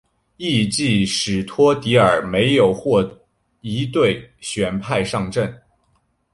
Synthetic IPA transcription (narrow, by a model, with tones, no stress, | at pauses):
i˥˧t͡ɕi˥˩ʂɻ̩˨˩t̪ʰwɔ˥t̪i˧˥ə˞˨˩me˧˥ɪjo˨˩ʊxwɔ˥˩ | i˧˥t̪we˥˩ɪɕɥɛ˧˥npʰa˥˧ɪʂɑ˥˧ŋʈ͡ʂə˥˩n